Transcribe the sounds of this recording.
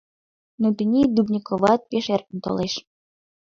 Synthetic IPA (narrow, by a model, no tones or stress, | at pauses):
not̪inʲid̪ubnʲikoβɑt̪̚peʃerkə̆nt̪o̰leʃ